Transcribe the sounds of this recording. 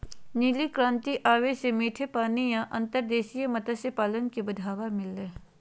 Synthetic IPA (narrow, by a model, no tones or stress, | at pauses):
niːlikɾãːnt̪iʔaːʋesemiːʈʰepaːnijãʔɐ̃nt̪əɾd̪eːʃijemɐt̪əsepaːlənkibəd̪ʱaːʋamɪlːeː